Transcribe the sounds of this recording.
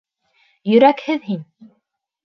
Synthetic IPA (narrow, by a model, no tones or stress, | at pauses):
jʏɾækhɪðɦinʲ